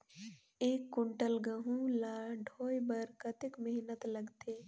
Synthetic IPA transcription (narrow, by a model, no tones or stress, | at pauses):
eːkːʊɳʈəlɡəɦũlaːɖʱoːjbəɾkət̪ɪkmɪɦnət̪ləɡt̪eː